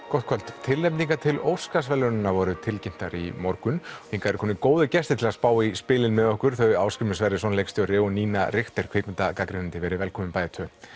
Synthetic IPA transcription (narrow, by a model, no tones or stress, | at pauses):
kɔht̪̚kʰvœlt̪t̪ʰɪlːejpniŋkat̪ʰɪlowskasvɛlʏɾnɪnːavɔɾʏt̪ʰɪlcɪn̥t̪aɾimɔɾkʏnfĩŋkaɛɾkʰɔnɪkoːwðʏcɛst̪ɪt̪ʰɪlaðspaːwaispɪːlɪnmɛðɔhkʏɾ̥θœɣjaːwskɾɪmɪnsvɛɾɪsɔnlejkst̪jowrɛːɣɔniːnaɾɪxt̪ɛɾ̥kʰveːk̪ɪnt̪akakɾɪnɪnt̪ɪvɛːɾɪvɛlkʰɔmʏmpaːjðɪt̪ʰœ